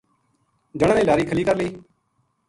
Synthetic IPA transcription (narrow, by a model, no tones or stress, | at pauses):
d͡ʒəɽ̃ãːnẽːlaːɾiːkʰəliːkəɾləiː